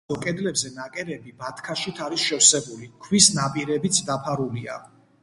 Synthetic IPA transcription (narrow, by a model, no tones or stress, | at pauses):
ɔkʼɛd̪lɛbzɛnakʼɛɾɛbibat̪ʰkʰaʃit̪ʰaɾisʃɛwsɛbulikʰwisnapʼiɾɛbit̪sʰd̪apʰaɾulia̰